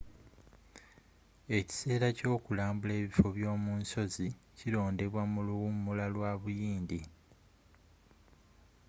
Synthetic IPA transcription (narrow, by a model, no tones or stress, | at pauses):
e̞ci̥se̞ːɾaco̞ːkulaːmbule̞ːβifo̞βjo̞ːmuːnso̞zicilo̞ːnde̞βwamuluumulalwaːβujiːndi